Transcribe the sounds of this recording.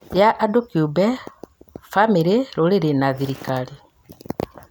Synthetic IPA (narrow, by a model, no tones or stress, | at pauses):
jaʔːdokiubɛ | fameɾeɾoɾeɾenaðiɾikali